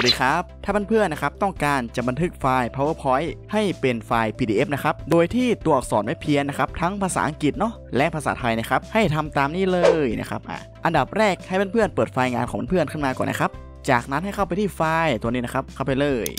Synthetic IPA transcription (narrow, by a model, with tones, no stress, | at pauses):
diː˧kʰa˦˥p̚t̪ʰaː˥˩ba˧npʰɯ˥˩ənːa˦˥kʰa˦˥p̚t̪ɔ˥˩ŋkaː˧nt͡ɕa˨˩ʔba˧nt̪ʰɯ˦˥k̚faː˧jpʰɔ˦˥waː˥˩pʰɔː˦˥jha˥˩jpe˧nfaː˧jpʰiː˧diː˧ʔe˦˥p̚na˦˥kʰa˦˥p̚doː˧jt̪ʰiː˥˩t̪uː˧˩˨k̚sɔː˩˦nwa˦˥jpʰi˧ənːa˦˥kʰa˦˥p̚t̪ʰa˦˥ŋpʰaː˧sa̰ː˩˦˥ʔa˧ŋki˨˩t̪̚nɔ˦˥ | lɛ˦˥ʔpʰaː˧saː˨˦t̪ʰa˧jna˦˥˩kʰa˦˥p̚ha˥˩jt̪ʰa˧mt̪aː˧mniː˥˩lɤː˧jna̰˦˥˩kʰa̰˦˥p̚ʔa̰ː˨˩ʔa˧nda˨˩p̚ɾɛː˥˩k̚ha˥˩jba˧npʰɯ˥˩ənpɤː˨˩t̪̚faː˧jŋa̰ː˧nkʰɔː˩˦ba˧pʰɯ˥˩ənkʰɯ˥˩maː˧kɔ̰ː˨˩na̰˦˥kʰa˦˥p̚ | t͡ɕaː˨˩k̚na˦˥nha˥˩jkʰa˥˩pa˧jt̪ʰiː˥˩faː˧jt̪u˧niː˦˥na˥kʰa˦˥p̚kʰa˥˩wpa˧jlɤː˧˩j